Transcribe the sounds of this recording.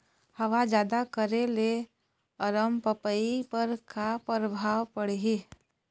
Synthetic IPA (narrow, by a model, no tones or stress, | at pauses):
həʋad͡ʒjaːd̪akəɾele | əɾəmpəpəipəɾkapɾəbʱaːwpəɽɦi